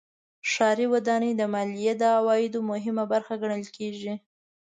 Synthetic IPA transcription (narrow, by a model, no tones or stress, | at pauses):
ʃɑɾiwad̪ɑned̪əmɑlijed̪əawɑjɪd̪omʊɦɪmabaɾxaɡaɳəlkʰeʒi